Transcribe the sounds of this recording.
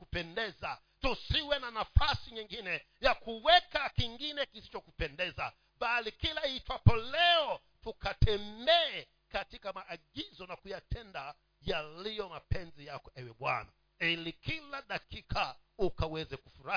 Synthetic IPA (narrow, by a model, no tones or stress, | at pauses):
kupɛndɛza | tusiwɛnanafasiɲiŋɡinɛ | jakuwɛkakiŋɡinɛkisi̥t͡ʃɔkupɛndɛza | ɓalikilait͡ʃwapɔlɛɔ | tukatɛmbɛː | katikamaʔːɠizɔnakujatʰɛnda | jalijɔmapɛnzijakɔʔɛwɛɓwa̰na̰ | ilikilaɗakikʰaukawɛzɛkufuɾa